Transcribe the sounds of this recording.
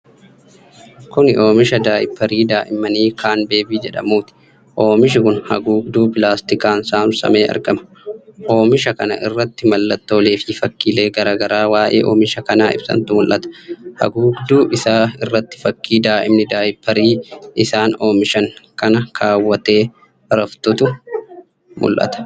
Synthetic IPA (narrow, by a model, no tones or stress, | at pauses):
kʊnʔo̞ːmɪʃɐd̪aːjɪpːɐɾiːd̪aːʔɪmɐniːkʰaːnbe̞ːbiːd͡ʒɛᶑɐ̰muːt̪ɪ̥ | ʔo̞ːmɪʃ̬ɪkʊnhɐ̰ɡuːɡd̪uːpɪlaːst̪ɪkaːnsaːmsɐ̰me̞ːʔɐ̰ɾɡɐmɐ̥ | ʔo̞ːmɪʃɐkɐnɐ̰ʔɪrːɐt̪ːɪmɐlːɐt̪ːo̞ːleːffɐkːiːle̞ːɡɐɾaːɡɐɾaːwaːʔḛːʔo̞̰ːmɪʃɐkɐnaːɪ̰bsɐ̰nt̪ʊmʊlʔɐt̪ɐ̥hɐ̰ɡuːɡd̪uːʔɪsaːɪrːɐt̪ːɪ̥fɐkːiːd̪aːʔɪmnɪd̪aːjpːɐɾiːɪsaːno̞ːmɪʃɐŋkɐnɐkʰaːwːɐt̪e̞ː | ɾɐft̪ʊt̪ʊ | mʊ̰lʔɐ̰t̪ɐ̥